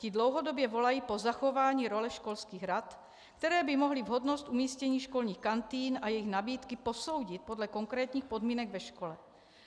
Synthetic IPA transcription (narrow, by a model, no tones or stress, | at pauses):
cɪdlowɦodobjɛvo̞lajiːpo̞zaxovaːɲiːɾo̞lɛʃkolskiːɣɾat̪ | kt̪ɛɾɛːbɪmoɦlivɦodnost̪ʔumiːscɛɲiːʃko̞lɲiːxkant̪iːnajɛjɪɣnabiːt̪kɪposowɟɪt̪̚po̞dlɛkoŋkɾɛːt̪ɲiːxpo̞dmiːnɛɡvɛʃkolɛ